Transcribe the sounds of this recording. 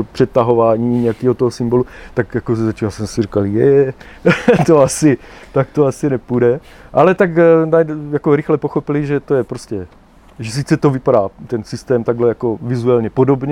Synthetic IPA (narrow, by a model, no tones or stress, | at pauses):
opr̝̥ɛt̪aɦo̞vaːɲiːɲɛjakiːɦo̞t̪oɦosɪmbo̞lut̪akjakoszat͡ʃiasɛsɪrikaljɛ̰jɛ | t̪oasɪt̪ak̚t̪oasɪnɛpudɛ | ʔalɛt̪aknajjako̞ɾɪxlɛpoxo̞pɪlɪʒɛt̪o̞jɛpɾoscɛ | ʒɛs̬it͡sɛt̪o̞vɪpaɾaːt̪ɛnsɪst̪ɛːmt̪aɡɦlɛjako̞vɪzuɛlɲɛpo̞do̞bɲɛ